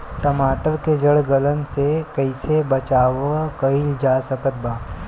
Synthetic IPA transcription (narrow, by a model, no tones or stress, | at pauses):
ʈɐmaːʈəɾked͡ʒəɽɡələnsekəɪsebɐt͡ʃaːʋakəɪld͡ʒaːsəkət̪̚baː